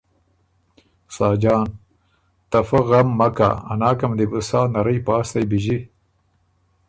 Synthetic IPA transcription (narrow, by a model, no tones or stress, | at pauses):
saːd͡ʒɑːn | t̪ɐfaɣɐmːɐka̰ːnaːkɐmd̪ibusaːnɐɾɐjpaːst̪ajbiʑi